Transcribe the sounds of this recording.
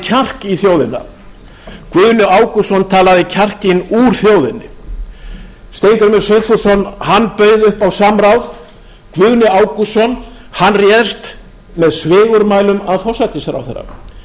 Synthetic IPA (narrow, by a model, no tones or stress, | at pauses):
cʰar̥kiθjowðɪnːa̰ | kvʏɣnɪaːwkusɔnt̪ʰaːlaðɪcʰar̥cɪnuːɾ̥θjoːwðɪnːɪ | st̪ejŋkʏɾmɛɾsejt̪fu̥sɔnːhanːpœːɥðʏhpawsamɾawð | kvʏɣnɪaːwkusɔn | hanrjɛːðst̪ | mɛðsvɪːɣʏɾmaːjlʏmaðfɔsat̪ɪsɛɾa̰wθḛɾːa̰